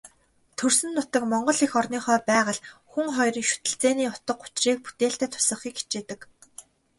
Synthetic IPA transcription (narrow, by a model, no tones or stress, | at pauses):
t̪ʰɵrsɘ̆nːʊt̪ə̆kmɔɴɢɞ̆ɮixɔrniːχœːpæːʁə̆ɮxuŋχɔjrə̆ŋʃu̥t̪ɘ̆ɬt͡seːniːʊt̪ə̆q̚ːʊ̥t͡ɕriːk̚pu̥t̪eːɬt̪æːt̪ʰʊ̥sə̆χiːki̥t͡ɕeːt̪ɘ̆k